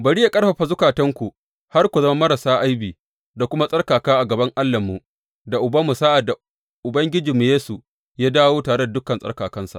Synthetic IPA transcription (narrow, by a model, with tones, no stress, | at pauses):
bɐ˨ɽi˦ja˦kʼɐ˦ɸɐ˨ɸa˨zʊ˦kaː˨tɐ˦ŋkʷu˨ | ha˦rkʷu˨zɐ˦ma˦mɐ˦ɾa˨saː˦ʔa˦jbiː˨ | da˨kʷʊ˦ma˦sʼɐ˦rkaː˨kaː˦ʔa˨ɡɐ˨bɐ˦ŋʔa˦lːɐ˨mːu˨ | da˨ʔʊ˨bɐ˦mːu˨saː˦ʔa˨da˨ | ʔʊ˨bɐ˦ŋɡʲɪ˦d͡ʒiː˨mːu˨jeː˦su˨ | jaː˦daː˦woː˦taː˨ɽe˦da˨dʊ˦kɐ˨nsʼɐ̰˦rkaː˨kɐ˦nsa̰˨ʔ